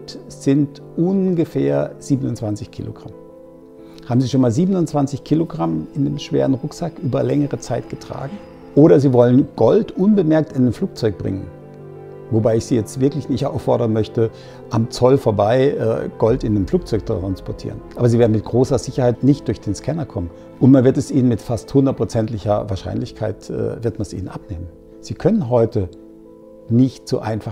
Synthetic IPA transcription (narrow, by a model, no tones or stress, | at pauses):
tz̥ɪnt | ʔʊnɡəfeːɐz̥iːbənʊnt͡sv̥ant͡sɪçkʰḭːlo̰ɡʁam | haːbm̩ziːʃoːnmaːlziːbənʊnt͡sv̥ant͡sɪçkʰiːloɡʁamɪndemʃv̥ḛːʁənʁʊkz̥akʔyːbɐlɛŋəʁət͡saɪtɡ̥ətʁ̥a̰ːɡŋ̩ | ʔoːɾɐziːvɔlənɡ̥ɔltʔʊnbəmɛɐk̚tɪnɪnfl̥uːk̚t͡sɔʏk̚b̥ʁɪ̰ŋən | vobaɪɪçz̥iːjɛt͡stv̥ɪɐklɪçnɪçtʔa̰ʊfːɔɐɾɐnmœçtə | ʔamt͡sɔlfoːɐbaɪʔɛ̰ːɡ̥ɔltɪndemfl̥uːk̚t͡sɔʏk̚tʁanspɔɐtʰḭːʁənʔaːbɐziːveɐdn̩mɪt̚ɡ̥ʁoːsɐzɪçɐhaɪtnɪçtd̥ʊɐçd̥eːnskʰɛnɐkʰɔmən | ʔʊntmanvɪɐtɛsʔiːnənmɪtfasthʊndɐt̚pʁ̥ot͡sɛntlɪçɐ̰vaːɐʃa̰ɪnlɪçkʰaɪtʔɛ̰ːvɪɐtmansʔḭːnənʔa̰pneːmən | z̥iːkʰœnənɦɔʏtə | nɪçtt͡sṵːʔa̰ɪnfa